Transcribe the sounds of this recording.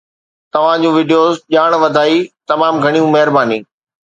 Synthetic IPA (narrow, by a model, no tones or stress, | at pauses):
t̪ɐʋ̤ãd͡ʑũʋɪːɖijoːzʄaːɽ̃ʋɐd̪ʱaːit̪ɐmaːmɡʱɐɽ̃ijũmɐɦɪɾbaːniː